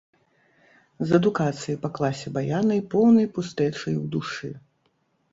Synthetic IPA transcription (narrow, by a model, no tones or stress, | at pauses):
zɐd̪ukat̪sɨjipɐklˠasʲɛbajanɐjpɔwnɐjpust̪ɛt͡ʂɐjwd̪uʂɨ